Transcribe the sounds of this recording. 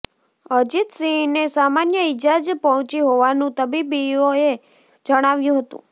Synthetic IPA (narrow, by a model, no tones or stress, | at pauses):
əd͡ʒit̪sĩnesamanjəid͡ʒad͡ʒpɔɦɔ̃t͡ʃiɦoʋanũt̪əbibioe | d͡ʒəɽ̃aʋjũɦət̪ṵ̃